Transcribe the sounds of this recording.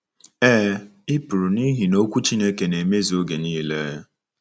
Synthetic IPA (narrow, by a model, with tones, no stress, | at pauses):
eː˦ɪ˦pʊ˨ɾu˨ni˦ɦi˨no˦kʷu˦t͡ʃi˦ne˦ke˨ne˨me˦zi˨o˦ɡe˨niː˦le˦